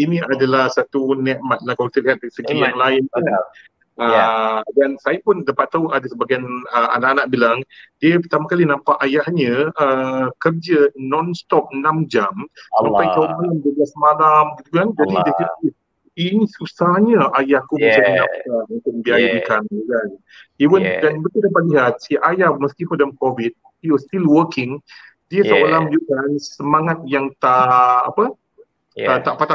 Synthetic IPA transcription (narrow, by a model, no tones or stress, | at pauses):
inĩadalahsat̪unɛʔmat̪̚lakawkit̪əliɦat̪̚səɡilaŋlaɪnu | ədansajapundəpat̪ːauʔadasəbaɡajnəa̰naʔanaʔbilaŋdiəpət̪amakalinãmpaʔajahɲə̃əkərd͡ʒənɔnst̪ɔp̚namd͡ʒamssamajk̪aumajanbəɡasəmalamɡit̪ukand͡ʒadidəsit̪i | inisusahɲaʔajahkuməd͡ʒadinãsamə̃t̪unbiajadikankan | iwəndanbət̪udapat̪̚liɦat̪̚siʔajaməst̪ifɔdəmkɔvid̚ | iwəst̪ilwəkɪŋ | diəsəolamjukansəmaŋat̪̚jaŋt̪aʔa̰pə | ət̪aʔpat̪a